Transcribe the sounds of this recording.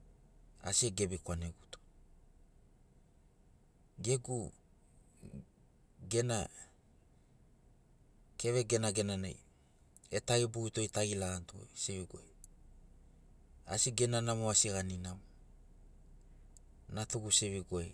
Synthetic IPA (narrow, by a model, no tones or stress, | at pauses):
a̰sieɡe̞bikwaneɡuto̥ | ɡe̞ɡu | ɡe̞na | ke̞βe̞ɡe̞naɡe̞nana̰j | etaɡibuito̞jtaɡilaantuo̰jseviɡoe | a̰siɡe̞nanamoasiɣaninaw | natuɡuseviɡoe